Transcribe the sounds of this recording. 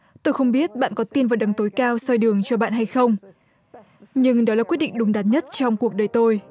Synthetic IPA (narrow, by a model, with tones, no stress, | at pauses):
t̪o˧jxə˧wŋ͡mɓi˦˥ət̚ɓa̰ː˧˨nkɔ˨˦t̪i˧nvaː˨˩wɗa˨˩ŋt̪o˨˦jkaː˧wsɔ˧jɗɨ˨˩əŋt͡ɕɔ˧ɓa̰ː˧˨nɦa˧jxə˧wŋ͡m | ɲɨ˧ŋɗɔ˨˦laː˨˩kwt̚ɗḭ˧˨ŋ̟ɗʊ˨˦ŋ͡mɗaː˨˦n̚ɲə˦˥t̚t͡ɕɔ˧wŋ͡mku˨˩ək̚ɗəː˨˩jt̪o˧j